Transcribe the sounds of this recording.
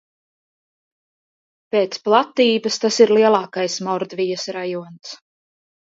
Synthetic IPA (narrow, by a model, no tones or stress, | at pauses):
peːt̪splˠat̪iːbɐst̪asiɾlˠiɛlˠɑːkajsmɔɾd̪vijəsɾajuɔns